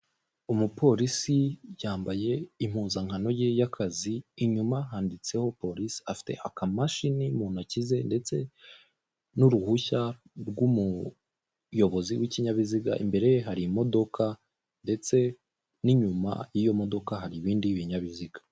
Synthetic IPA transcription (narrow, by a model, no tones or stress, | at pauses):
umupʰo̞ɾisijaːmbaje̞im̥huːnzaŋano̞jejakʰaziːɲumaɦaːndit͡se̞ho̞po̞ɾisi̥afi̥te̞̰ʔakamaʃinimuːn̥acize̞nde̞t͡se̞ | nuɾuhuça | ɾɡumu | jo̞βo̞ziwiciɲaβiziɡa̰ʔḭmbe̞ɾe̞jeɦaɾimo̞do̞ka | nde̞t͡se̞ | niɲuma̰jijo̞mo̞do̞kaɦaɾiβiːndiβiɲaβiziɡḁ